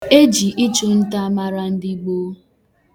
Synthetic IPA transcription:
e˦d͡ʒi˨ʔi˦t͡ʃʊ˦n̩˦ta˦ma˦ɾa˦n̩˦di˦ɡ͡bo˦

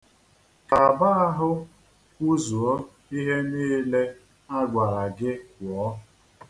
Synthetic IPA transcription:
ka˨ba˦a˦ɦʊ˦ | u˦zu˨ɔ˦ | i˦ɦe˦niː˦le˦ | a˦ɡʷa˨ɾa˨ɡɪ˦wɔ˨˦

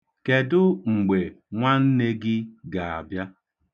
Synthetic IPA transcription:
ke˨dʊ˦ŋ͡m̩˨ɡ͡be˨ŋʷa˦n̩˦ne˦ɡɪ˦ɡa˨a̰˨bja˦

